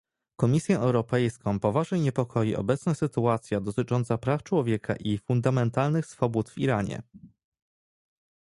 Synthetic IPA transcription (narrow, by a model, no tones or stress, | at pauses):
kɔmʲisʲjɛʔɛwɾɔpɛjskɔ̃w̃pɔvaʐnɛjɲɛpɔkʰɔjiʔɔ̰bɛt̪snasɘt̪uat̪sʲjad̪ɔt̪ɘt͡ʂɔnt̪sapɾaft͡ʂwɔvʲjɛkʰa̰ʔifund̪amɛnt̪alnɘxsfɔbut̪vḭɾaɲɛ̰